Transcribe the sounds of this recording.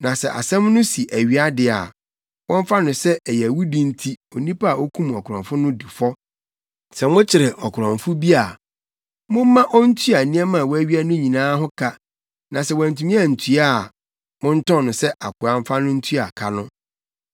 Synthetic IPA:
nã˨sɛ˨ʔa̰˨sɛ̃˦mnʊ̃˦si˨ʔæ˨ɥi˦a˦dɪ˨a̰˨ | wɔ̃˦m˦fa˦nʊ̃˨sɛ˦ɛ˨jɛ˨wu˦dĩ˦n̩˦tʰi˦o˨nĩ˦pʰa˦a˨ʔo˦kʰũ˦mɔ˨kʰʊ˨ɾɔ̃˨fʊ˦nʊ̃˦di˨fɔ˦ | sɛ˨mʊ̃˦t͡ɕʰɪ˨ɾɛ˨ʔɔ˨kʰʊ˨ɾɔ̃˨ɱfʊ˦bi˦a˨ | mʊ̃˦m˦mːã˦ʔɔ˦n̩˦tʰu˦a˨nĩ˦ɛ˦mã˨wɔ˦æ˦ɥi˦æ˦nʊ̃˦ɲĩ˨nãː˦ɦʊ˦kʰa˦ | nã˨sɛ˨wã˨n˨tʰu˨mĩ˦a˦˨n̩˨tʰu˦a˦˨ | mʊ̃˦n̩˦tɔ̃˦˨nʊ̃˨sɛ˦ʔa˨kʊ˨a˨m̩˦fa˦nʊ̃˦n̩˦tʰu˦a˨kʰa˨nʊ̃˦

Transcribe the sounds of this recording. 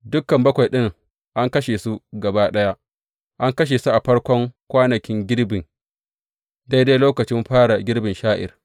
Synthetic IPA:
dʊ˦kːɐ˨mbɐ˦kʷa˨jɗɪ˦ŋ | ʔa˦ŋkɐ˦ʃeː˨su˦ɡɐ˨ba˦ɗɐ˦ja˦ | ʔa˦ŋkɐ˦ʃ̬eː˨su˦ʔa˨ɸɐ˦ɽkʷɔ˦ŋkʷaː˦nɐ˨kʲɪ˦ŋɡʲɪ˦ɽbɪ˨ŋ | da˦jda˦jloː˦kɐ˨t͡ʃɪ˦mɸaː˦ɽa˨ɡʲɪ˦ɽbɪ˨nʃaː˦ʔɪ̰˨r

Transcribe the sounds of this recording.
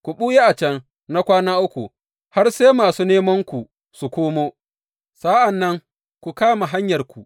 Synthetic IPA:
kʷu˨ɓuː˦je˦ʔa˨t͡ʃɐ˦ŋ | na˦kʷaː˦naː˦ʔʊ˦kʷu˨ | ha˦rseː˦maː˨suː˦neː˦mɐ˦ŋkʷu˨ | su˨kʷoː˦moː˦ | sa˦ʔa˨nːɐ˦ŋ | kʷu˨kaː˦ma˨ɦa˦ɲjɐ˨rkʷu˨

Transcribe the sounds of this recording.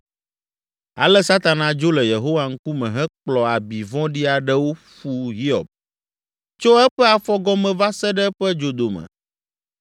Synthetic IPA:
a̰˨lɛ˦sa˦t̪a˨nã˨d͡ʒo˦lɛ˨je˨ɦo˦wa˨ŋ̩˦ku˦mɛ̃˨ɦɛ̃˦k͡plɔ˨a˨bi˨vɔ̃˦ɖi˦a˨ɖɛ˦wo˦ | ɸu˦ɦi˦ɔ̰˨b̚ | t͡ʃo˦ɛ˦ɸɛ˦a˨fɔ˦ɡɔ˦mɛ̃˨va˦sɛ˦ɖɛ˦ɸɛ˦d͡ʒo˨d̪o˨mɛ̰̃˨

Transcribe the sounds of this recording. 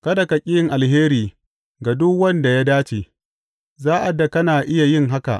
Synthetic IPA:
kɐ˦da˨ka˨kʲʼɪ˦jɪ˦ŋʔa˨lɦeː˦ɾiː˨ | ɡa˨dʊ˦kwɐ˦nda˨ja˦daː˦t͡ʃe˨ | zaː˦ʔa˨da˨kɐ˦naː˨ʔɪ˦ja˨jɪ˦ŋɦa˦ka̰˨ʔ

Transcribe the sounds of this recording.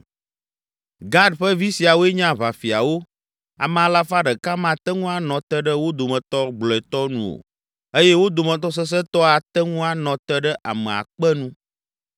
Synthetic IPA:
ɡa˦ɖɸə˦vi˦si˨a˨wo˦ɛ˦ɲã˦va˨fi˨a̰˨wo˦ | a̰˨mɛ̃˨a˨la˦fa˦ɖə˨ka˦mã˨t̪ɛ˦ŋũ˦a˦nɔ̃˨t̪ɛ˦ɖə˦wo˦d̪o˨mɛ̃˨t̪ɔ˦ɡ͡blɔ˨ɛ˨t̪ɔ˦nṵ̃˨o̰˨ | e˦jɛ˦wo˦d̪o˨mə̃˨t̪ɔ˦s̬ɛ˦s̬ɛ˦t̪ɔ˦a˨t̪ɛ˦ŋũ˦a˦˨nɔ̃˨t̪ɛ˦ɖə˦ʔa̰˨mɛ̃˨a̰˨k͡pɛ˦nũ˦

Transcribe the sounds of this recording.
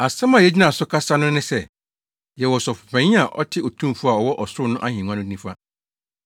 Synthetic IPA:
a˨sã˦mã˨jɛ˨˦d͡ʑi˦nã˨sʊ˦kʰa˦sa˦nʊ̃˦nɪ̃˦sɛ˦˨ | jɛ˨wɔ˨sɔ˨fʊ˨pʰɛ̃˨ɲĩ˦a˨ʔɔ̰˦tʰɪ˦ɔ˨tʰũ˦m˨fʊ˦a˨ɔ˨wɔ˦ʔɔ˨sʊ˦ɾʊ˦nʊ̃˦ʔa˦hĩ˨ŋ˦ã˦nʊ̃˦ĩ˦fa˦

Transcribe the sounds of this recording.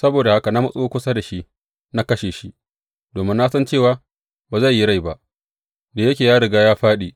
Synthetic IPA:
sɐ˦boː˨da˨ha˦ka˨na˦mɐ˦sʼoː˦kʷʊ˦sa˦da˨ʃi˦ʔ | na˦kɐ˦ʃeː˨ʃi˦ | doː˨mɪ˦nːa˦sɐ˦nt͡ʃeː˦˨waː˦ | baː˨za˦˨jːi˦ɽa˦˨jba˦ʔ | da˨jɐ˦kʲeː˨jaː˦ɽɪ˨ɡaː˦jaː˦ɸaː˦ɗiː˨

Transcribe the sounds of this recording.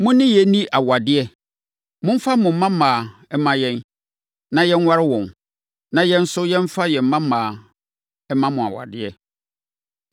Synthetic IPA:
mʊ̃˦nɪ̃˦jɛ˨nĩ˦ʔa˨wa˨dɪ˦ɛ˦ | mʊ̃˦m̩˦fa˦mʊ̃˨m̩˦mã˦mãː˨ɛ˦mã˦jɛ̃˦n | nã˨jɛ̃˦n˦wa˦ɾɪ˦wɔ̃˨n | nã˨jɛ̃˦n̩˦sʊ˦jɛ̃˦m̩˦fa˦jɛ˨m̩˦mã˦mãː˨ | ɛ˦mã˦mʊ̃˨a̰˨wa̰˨dɪ˦ɛ˦

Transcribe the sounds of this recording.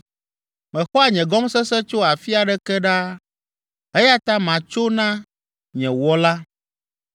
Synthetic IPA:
mɛ̃˨xɔ˦a˨ɲɛ̃˨ɡɔ˦msɛ˦sɛ˦t͡ʃo˦a˨fi˦a˨ɖɛ˦kɛ˦ɖa˦ | ɛ˦ja˦t̪a˦mã˨t͡ʃo˦nã˦ | ɲɛ̃˨wɔ˦la˦

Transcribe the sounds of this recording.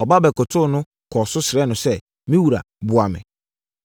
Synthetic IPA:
ɔ˨ba˦bɛ˨kʊ˨tʰʊ˦nʊ̃˦ | kʰɔ˨sʊ˦sɪ˨ɾɛ˦nʊ̃˨sɛ˦ | mĩ˦wu˨ɾa̰˨ | bʊ˨a˨mɪ̰̃˨

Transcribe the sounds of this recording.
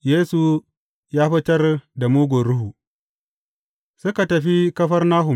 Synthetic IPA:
jeː˦su˨ | jaː˦ɸɐ˦tɐ˦rda˨muː˦ɡʷoː˨ɾʊ˦ɦu˨ | sʊ˦ka˨tɐ˨ɸi˦kɐ˦ɸɐ˦rnaː˦ɦʊ˨

